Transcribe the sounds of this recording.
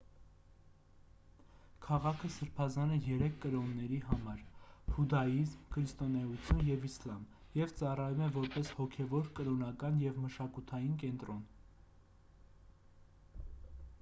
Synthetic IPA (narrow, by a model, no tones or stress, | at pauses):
kʰɑʁɑkʰəsəɾpʰɑzɑnɛjɛɾɛkʰːəɾɔnːɛɾiɦɑmɑɾhud̪ɑizmkʰɾist̪ɔnɛut͡sʰjunjɛvislɑm | jɛvt͡sɑrɑjumɛvɔɾpɛshɔkʰɛvɔɾkəɾɔnɑkɑnjɛvməʃɑkut̪ʰɑjinkɛnt̪ɾɔn